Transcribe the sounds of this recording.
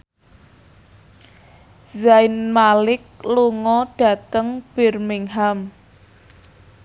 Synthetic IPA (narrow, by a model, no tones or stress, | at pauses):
zajnmalɪk̚luŋɔɖ̥ä̤t̪əŋb̥ɪ̤rmɪŋɦam